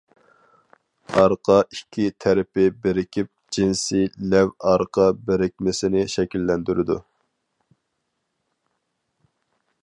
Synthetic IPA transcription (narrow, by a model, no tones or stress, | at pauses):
ɑɾqʰɑikʲʰːit̪ʰæɾɪpɪbɪɾɪkʲʰip̚d͡ʒinsilɛvɑɾqʰɑbɪɾɪk̚ʲmɪsɪnɪʃɛkʲilːɛnd̪yɾɪd̪u